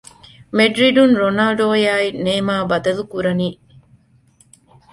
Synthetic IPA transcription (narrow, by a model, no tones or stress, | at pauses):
meɖɾiɖunɾonɐlɖoːjaːineːmaːbɐd̪ɐlukuɾɐniː